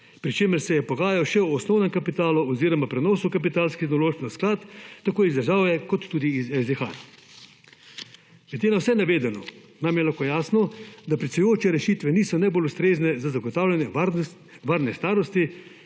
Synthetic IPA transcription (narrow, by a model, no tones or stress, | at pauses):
pɾit͡ʃeːməɾsɛjɛpɔɡaːjawʃɛuɔsnɔwnɛmkapit̪aːluɔziːɾɔmapɾɛnɔːsukap̬it̪aːlskiexnɔloːʃknɛsklat̪ːakoːizd̪ɐɾʒaːwjɛkɔt̪ːuːd̪iːzɛzd̪ɛxa̰ | ʋɛt̪eːnawsɛnaʋeːd̪ɛnɔ | namjɛlaxkojaːsnɔd̪apɾisujoːt͡ʃɛɾɛʃiːt̪ʋɛniːsɔnajboːlust̪ɾeːznɛzazaɡɔt̪aːwlʲanjɛ | ʋaːɾnɛst̪aːɾɔst̪i